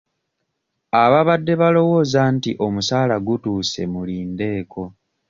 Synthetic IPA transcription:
aβaβadːe̞βalo̞wo̞ːzantiʔo̞musaːlaɡutuːse̞̰muliːnde̞ːko̞

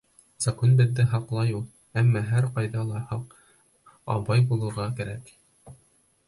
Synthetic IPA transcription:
z̥ɑkonbɘ̆ðːɘɦɑqlˠɑjulˠ | æmːɑɦæɾqɑjðɑlˠɑhɑq | ɑ̰βɑjbulˠɤ̆ɾʁɑkæɾæk

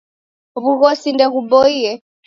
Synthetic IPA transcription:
βuɣɔsindɛɣubɔiɛ

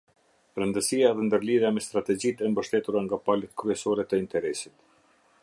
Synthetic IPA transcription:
ɾənd̪əsiaɛðɛnd̪əɾliðjamɛst̪ɾat̪ɛd͡ʑit̪ɛmbəʃt̪ɛt̪uɾaŋɡapalət̪kɾyɛsɔɾɛt̪əint̪ɛɾɛsit̪

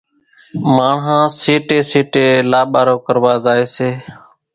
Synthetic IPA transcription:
maːɳɦãːseːʈeːseːʈeːlaːɓaːɾoːkəɾʋaːzaːeːseː

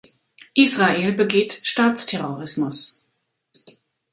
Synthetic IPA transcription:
ʔiːsʁ̥aeːlbəɡeːtʃtaːt͡stʰɛʁoʁɪsmʊs

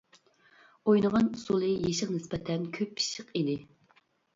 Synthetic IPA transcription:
ojnəʁɑnusulˠɨjeʃəqnɪspɛt̪ʰɛnkʲʰøpʰːi̥ʃəqid̪ɪ

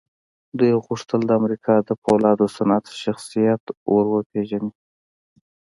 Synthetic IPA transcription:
d̪ujɣuʂt̪əld̪əamɾikʰɑd̪əpʰolɑd̪osanat̪ʃaxsijat̪woɾwəpʰeʒani

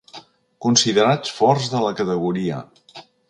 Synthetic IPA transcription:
kunsiðəɾat͡sfɔɾzðələkət̪əɣ̞uɾiə̰

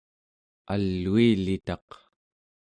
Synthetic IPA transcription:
alːuilit̪ɑq

